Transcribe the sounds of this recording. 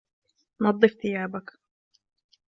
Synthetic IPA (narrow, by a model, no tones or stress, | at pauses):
nɑd̪ˤːɨfθɪjaːbak